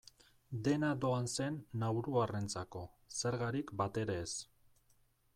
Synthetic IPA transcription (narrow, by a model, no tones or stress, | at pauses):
d̪e̞nad̪o̞anse̞nːawɾuarent͡sako̞se̞ɾɣaɾikbat̪e̞ɾeːs